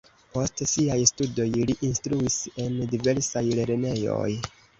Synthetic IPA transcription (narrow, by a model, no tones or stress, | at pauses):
po̞stsiajstudo̞jliʔinstɾuise̞ndive̞ɾsajleɾene̞jo̞̰j